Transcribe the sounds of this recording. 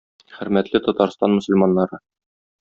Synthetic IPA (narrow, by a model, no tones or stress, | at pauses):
χɘ̆ɾmæt̪lɘt̪ɒt̪ɑɾst̪ɑnmɵ̆sɵ̆lmɑnːɑɾɤ